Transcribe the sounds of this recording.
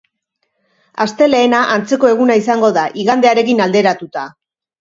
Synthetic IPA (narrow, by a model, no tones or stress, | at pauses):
ast̪e̞le̞ːnaʔant͡se̞ko̞e̞ɣunaisaŋɡo̞ðaʔiɣand̪e̞aɾe̞kinald̪e̞ɾat̪ut̪a